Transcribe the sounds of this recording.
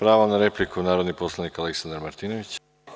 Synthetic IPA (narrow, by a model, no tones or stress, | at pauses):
pɾaːʋanaɾeplikunaːɾo̞d̪niposlˠanikaleksand̪aɾmaɾt̪iːnoʋit͡ɕ